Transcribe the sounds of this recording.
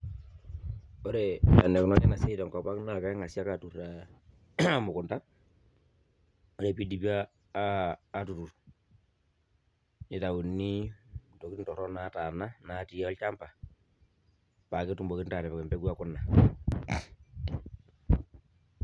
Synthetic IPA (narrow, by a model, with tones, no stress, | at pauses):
o˦ɾɛa˨nɛ˨knɔ˦nɛ˦na˨sɛ˦tɔ˨ŋkɔ˨pa˦kna˨ka˦ŋa˨si˦a˦ka˨tu˨ra˨ | mʊ˨kʊ˨nta˦ | o˦ɾɛ˨pi˦di˨pi˦a˦˨ | tu˨tu˨ɾ | ni˨ta˨u˨nːi˦to˨ki˦ntɔ˨ɾɔ˦nata˨na˦na˨˦ti˨ɔ˦lta˦mpa˨ | pa˨ki˦tu˨mbo˨ki˦nta˨ɾɛ˨pkɛ˨mpɛ˦ku˦a˦kʊ˦nːa˨